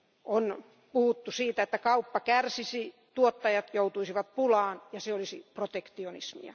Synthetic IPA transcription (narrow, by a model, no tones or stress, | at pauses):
ʔon | puhut̪ːusiːt̪æet̪ːækɑupːɑkærsisi | t̪uot̪ːɑjɑt̪jout̪uisiʋɑt̪̚pulɑːnjɑseolisiprot̪ekt̪ionḭsmḭɑ̰